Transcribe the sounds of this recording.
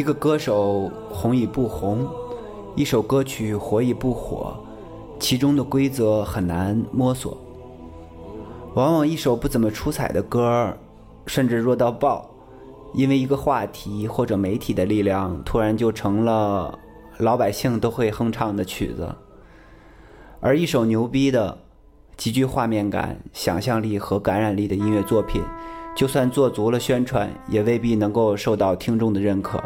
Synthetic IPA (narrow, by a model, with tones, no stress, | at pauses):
i˧˥ɡə˧kɤ˥ʂo˨˩ʊ | xʊ˧˥ŋi˨˩pu˥˩xʊ˧˥ŋ | i˥˩ʂo˨˩ʊkɤ˥t͡ɕʰy˨˩xwɔ˧˥i˨˩pu˥˩xwɔ̰˨˩˦ | t͡ɕʰi˧˥ʈ͡ʂʊ˥ŋd̪ə˨kwe˥ɪt͡sɤ˧˥xə˨˩nna˧˥nmwɔ˥swɔ̰˨˩˦ | wɑ˧˥ŋwɑ˨˩ŋi˥˩ʂo˨˩ʊpu˥˩t͡sə˨˩nmə˦ʈ͡ʂʰu˥t͡sʰa˨˩ɪd̪ə˦kɤ˥ | ʂə˥˧nʈ͡ʂɻ̩˥˧ɻwɔ˥˧t̪̬ɑ˥˧ʊpɑ˥˩ʊ | i˥nwe˥˩ɪi˧˥ɡə˧xwa˥˩t̪ʰi˧˥xwɔ˥˩ʈ͡ʂɤ˨˩me˧˥ɪt̪ʰi˨˩d̪ə˦li˥˧ljɑ˥˩ŋt̪ʰu˥ɻa˧˥nt͡ɕjo˥˩ʊʈ͡ʂʰɤ˧˥ŋlə˧ | lɑ˧˥ʊpa˨˩ɪɕi˥˩ŋt̪o˥ʊxwe˥˩ɪxɤ˥ŋʈ͡ʂʰɑ˧˥ŋd̪ə˧t͡ɕʰy̰˨˩d͡zə̰˧˦ | ə˞˧˥i˥˩ʂo˨˩ʊnjo˧˥ʊpi˥d̪ə˨ | t͡ɕi˧˥t͡ɕy˥˧xwa˥˧mjɛ˥˩nka̰˨˩˦nɕjɑ̰˨˩ŋɕjɑ˥˧ŋli˥˩xɤ˧˥ka˧˥nɻa˨˩nli˥˩d̪ə˩i˥nɥɛ˥˧t͡swɔ˥˩pʰḭ˨˩˦nt͡ɕjo˥˧ʊswa˥˧nt͡swɔ˥˩t͡su˧˥lə˧ɕɥɛ˥nʈ͡ʂʰwa̰˧˥njɛ˨˩we˥˧ɪpi˥˩nɤ˧˥ŋko˥˧ʊʂo˥˧ʊt̪ɑ˥˩ʊt̪ʰi˥ŋʈ͡ʂʊ˥˩ŋd̪ə˩ɻə˥˩nkʰɤ̰˨˩˦